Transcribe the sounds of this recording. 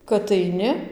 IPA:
kɐt ɐɪˈnʲɪ

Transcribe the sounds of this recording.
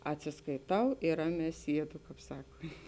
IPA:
ɐtʲsʲɪskɐɪˈtɐʊ ɪr ˈrɑːˌmʲɛː ˈsʲiɛdʊ ˈkɑːp ˈsɑːkoːnʲtʲ

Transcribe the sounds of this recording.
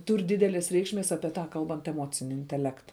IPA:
ˈtuːr ˈdʲiːdʲɛlʲeːs ˈrʲɛɪkʃʲˌmʲeːs ɐpʲiɛ ˈtɐ ˈkɐlˠbɐnt ɛˈmoːt͡sʲɪnʲɪ ɪnʲtʲɛˈlʲæːktɐ

